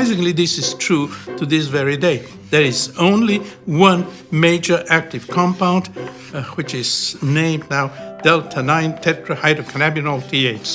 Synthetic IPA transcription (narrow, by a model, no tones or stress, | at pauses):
ɪsɪ̃ŋliðɪsɨz̥tʰɹ̥utɨðɪs̬vɛɹideɪ | ðə˞ɪzõʊ̃nliwʌ̃n | meɪd͡ʒə˞ʔæk̚tɨv̥kʰɑ̃mpãʊ̃nd | wɨt͡ʃɪz̥nẽɪ̃mnaʊd̥ɛlˠtʰənãɪ̃ntʰɛtʰɹəhaɪdokʰənæbɨnəlˠtʰieɪts